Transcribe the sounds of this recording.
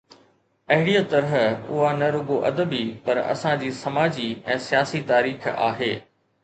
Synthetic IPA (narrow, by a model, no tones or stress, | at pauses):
ɐɦɪɽijat̪ɐɾəɦʊ̰ɦanɐɾʊɡoʔɐd̪əbipɐɾɐ̰sãd͡ʑiːsɐmaːd͡ʑiɛ̃ːsijaːsit̪aːɾiːxa̰ːɦeː